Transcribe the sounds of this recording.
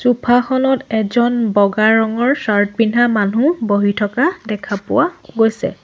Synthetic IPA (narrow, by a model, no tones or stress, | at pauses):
supʰaxɔnɔtɛzɔnbɔɡaɹɔŋɔɹsaɹt̚bin̤amanuboɦitʰɔkadɛkʰapʊ̰waɡojsɛ̰